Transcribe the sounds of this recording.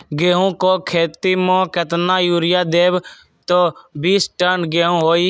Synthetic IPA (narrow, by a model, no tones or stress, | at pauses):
ɡeːɦõːkoːkʰeːt̪iːmõːket̪naːjuːɾɪjaːd̪eːb | t̪oːbiːsʈənɡeːɦõːɦoːiː